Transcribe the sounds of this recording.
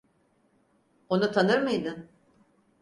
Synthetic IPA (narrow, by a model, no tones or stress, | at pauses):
o̞nut̪ʰanɯɾmɯjd̪ɯn